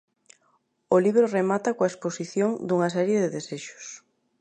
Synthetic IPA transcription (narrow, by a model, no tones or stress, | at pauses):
oliβɾoremat̪ɐkoaesposiθjoŋd̪uŋɐs̬ɛɾjeðeðeseʃʊ̥s